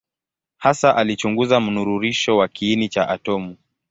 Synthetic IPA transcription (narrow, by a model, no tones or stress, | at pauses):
hasaʔalit͡ʃuŋɡuzam̩nuɾuɾiʃɔwakiːnit͡ʃaʔatɔmu